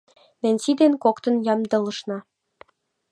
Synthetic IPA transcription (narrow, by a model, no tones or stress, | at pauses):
nenʲsid̪enkokt̪ə̆njɑmd̪ɤ̆lə̆ʃnɑ